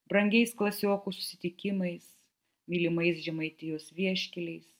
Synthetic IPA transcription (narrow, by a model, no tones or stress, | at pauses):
bɾɐŋʲɡʲɛɪsklˠɐsʲoːkuːsʊ̥sʲɪt̪ʲɪkʲɪmɐɪs | mʲilʲɪmɐɪsʒʲɛmɐɪt̪ʲɪjoːsʋʲiɛʃʲkʲɪlʲɛɪs